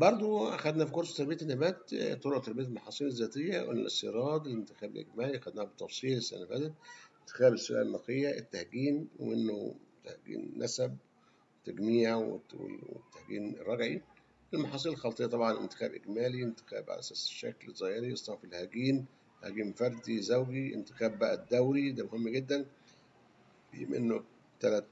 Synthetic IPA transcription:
bɑɾˤd̪ˤoæxæd̪næfikoɾsˤɑ̥t̪ɑɾˤbejʕæt̪enːæbæːt̪t̪ːˤoloʔt̪ɑɾˤbijæt̪elmɑħɑːsˤiːnezːæːt̪ejːæwʔḛnːæ̰lʔḛst̪ḛɾˤɑːd̪ˤelent̪ɪ̥xæːbelʔḛɡmæːliʔæxæd̪næːhæbet̪ːɑfsˤiːlesæ̰næbæ̰t̪æent̪ːɪ̥xæːbesuɾʔæ̰lnːɑqejːæʔet̪ːæhɡiːnwḛmḛnːo̰t̪æhɡḭːnːʔæsæb̚ | t̪ːæɡniːw̰wḛwḛt̪ːæhɡḭːnrˤːɑɡʕi | elmɑħɑːsˤiːllxɑlt̪ˤejɑt̪ˤɑbʕɑnʔḛnt̪ɪ̥xæ̰ːbʔeɡmæːlient̪ɪ̥xæ̰ːbʕa̰læʔæsæːsʃːæ̰klˤɣɑheɾiʔesˤnɑʕfilhæɡiːn | hæ̰ɡiːmfɑɾˤd̪izæwɡiʔḛnt̪e̥xæːbːæʔæd̪ːæwɾid̪æːmohemːɡed̪ːæn | bjemʔḛnːo | t̪ælæt̪

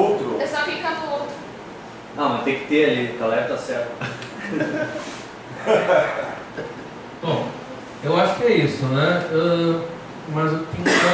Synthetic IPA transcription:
t̪ɾʊɛsakĩkanʊowt̪ɾʊ | nɐ̃w̃mɐst̪ẽj̃kɪ̥t̪eɾɐlikalɛt̪ɐsɛɾt̪ɐ | b̥õ | ewaʃʊ̥kɪɛisʊnɛɛ | mɐzewt̪ẽj̃a

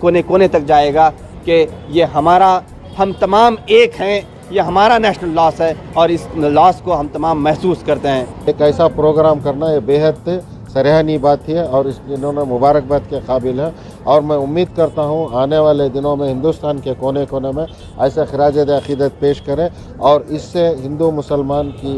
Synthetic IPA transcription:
koːnekoːnet̪ɐk̚d͡ʒaːeːɡa | kejeɦɐmaːɾa | hɐmt̪ɐmaːmeːkɦɛ̃ | jeɦɐmaːɾanɛːʃnəlːɔːsɦɛɔːɾɪslɔːskoɦɐmt̪ɐmaːmːɛɦsuːskɐɾt̪eɦɛ̃ːeːkɛːsapɾoːɡɾaːmkɐɾnajebeːɦət̪ | sɐɾjaːnibaːt̪ɦiɦɛɔːɾɪsɪnõmẽmʊbaːɾək̚bət̪keqaːbɪlɦɛ̃ | ɔːɾmɛ̃ʊmːiːd̪̚kɐɾt̪aɦũaːneʋaːled̪ɪnõmẽɦɪ̃nd̪ust̪aːnkekoːnekoːnemẽ | ɛːsexɪɾaːd͡ʒəd̪eɐqiːd̪ət̪̚peːʃkɐɾẽ | ɔːɾɪsːeɦɪ̃nd̪umʊsəlmaːnki

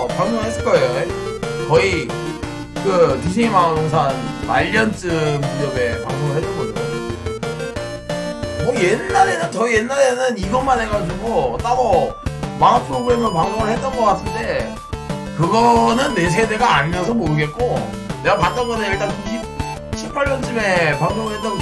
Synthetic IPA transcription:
paŋboŋɯɭɦes͈ɯɭk͈ʌejoekʌi | kɯtuɕ̬ʰiŋimaŋs̬ʰanma̰ʎːʌnt͡ɕ͈ɯmkiɾʌbe̞paŋmoŋɯɭɦetɯnɡʌd͡ʑoo | mʌjenːaɾe̞nɯntʌijenːaɾe̞nɯniɡʌmanɦe̞ɡad͡ʑuɡos͈aɾomanapʰɯɾoɡɯɾe̞mɯɭpaŋsʰoŋɯɭhe̞t͈ʌnɡʌk͈ats͈ʰɯnde̞ | kɯɡʌnɯnːe̞s̬ʰe̞de̞ɡaːɲmjʌnsʰʌmoɾɯɡe̞t̚k͈o | ne̞ɡamat͈ʌnɡʌnejiɭt͈ankui | ɕʰipʰaɭːʌnt͡ɕ͈ɯme̞paŋsʰoŋɯɭhe̞t͈ʌn

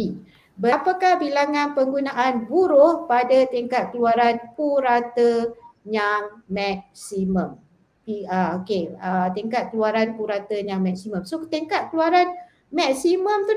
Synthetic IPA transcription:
i | bəpakahbilaŋãnpəŋɡunaʔanbuɾʊhpadat̪iŋkat̪̚kəluaɾanpuɾat̪əɲaŋmɛk̚simə̃m | piəokeət̪iŋkat̪̚kəluaɾanpuɾat̪əɲaŋmɛk̚simə̃msot̪eŋkat̪̚kəluaɾan | mɛksimə̃mt̪u

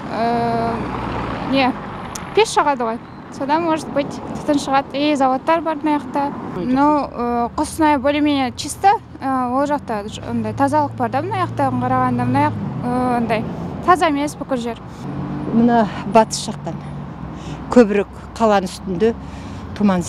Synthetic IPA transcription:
ə | japʲʰesʃɑʁɑd̪əʁoj | sod̪ɑnwoʒt̪pəjt̪t̪ʰə̥t̪ənʃəʁɑt̪ejzɑwot̪ːɑɾbɑɾmənɑjɑqt̪ɑmnowəqʰʊsənɑjbolʲemenet͡ʃʰist̪ə | əwo̞lˠʒɑqt̪ɑo̰nd̪ɑjt̪ʰɑzɑlˠəq̚bɑɾd̪ɑmənɑjɑqt̪ɑɴqʰɑɾɑʁɑnd̪ɑmənɑjɑqəwond̪ɑjt̪ʰɑzɑeme̞sbʏkʲɪɾʒe̞ɾ | mənɑbɑt̪ə̥sʒ̥ɑq̚t̪ɑn | kʲʰɵbɪɾek | qʰːɑlˠɑnʏst̪ɪnd̪ɪ | t̪ʰumɑn

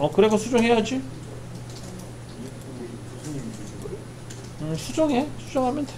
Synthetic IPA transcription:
ʌkɯɾe̞ɡosʰud͡ʑoŋɦe̞jad͡ʑi | ɯsʰud͡ʑoŋe̞sʰud͡ʑoŋɦamjʌntʰe

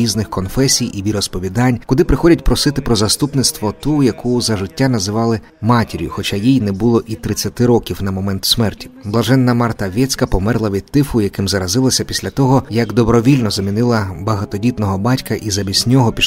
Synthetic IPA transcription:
iznɪxkɔnfɛsʲijʔiʋʲiɾɔspɔʋʲid̪ɑnʲkʊd̪ɪpɾɪxɔdʲɐtʲpɾɔsɪt̪ɪpɾɔzɐst̪upnɪt̪st̪ʋɔt̪ujɐkuʊzɐʒɪtʲːanɐzɪʋɑlˠɪ | mɑtʲeɾʲjʊ̰xɔt͡ʃajijnɛbʊlˠɔʔit̪ɾɪt͡sʲːɐt̪ɪɾɔkʲiwnɐmɔmɛnt̪ʊ̥smɛrtʲi̥blˠɐʒɛnːɐmɑrt̪ɐʋʲɛt͡sʲkɐpɔmɛrlˠɐʋʲid̪̚t̪ːɪfʊjɐkɪmzɐɾɐzɪlˠɐsʲɐpʲi̥sʲlʲɐt̪ɔɦɔjɐɡd̪ɔbɾɔʋʲilʲnɔzɐmʲinɪlˠɐbɐɦɐt̪ɔdʲit̪nɔɦɔbɑtʲkɐʔizɐbʲisʲnʲɔɦɔpʲiʃ

